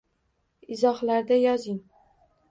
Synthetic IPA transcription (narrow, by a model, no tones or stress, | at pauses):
ɪzɒhlaɾd̪ajɒzɪŋ